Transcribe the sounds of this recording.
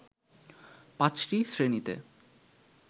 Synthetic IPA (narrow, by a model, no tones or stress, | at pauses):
pãt͡ɕʈisɾenit̪ḛ